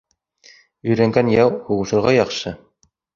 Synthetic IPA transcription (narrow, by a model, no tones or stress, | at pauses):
ɵ̆jɾæŋɡænjɑwhuʁɤ̆ʃɤ̆ɾʁɑjɑqʃɤ